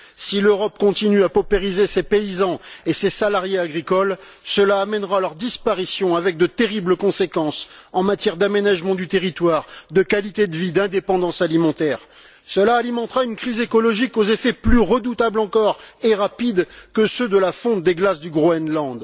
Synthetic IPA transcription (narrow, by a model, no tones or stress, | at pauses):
siløʁɔp̚kɔ̃t̪inyapɔpeʁizesepeizɑ̃esesalaʁjeaɡʁikɔl | səlaːmɛnʁalœʁd̪ispaʁisjɔ̃avɛk̚d̪ət̪eʁibləkɔ̃sekɑ̃sɑ̃mat̪jɛʁd̪amenaʒmɑ̃d̪yt̪eʁit̪waʁd̪əkalit̪ed̪əvid̪ɛ̃d̪epɑ̃d̪ɑ̃salimɑ̃t̪ɛʁ | səlaːlimɑ̃t̪ʁaynkχizekɔlɔʒikozefɛplyʁəd̪ut̪ablɑ̃kɔʁeʁapid̪kəsød̪əlafɔ̃t̪̚d̪eɡlasd̪yɡʁoɛnlɑ̃d̪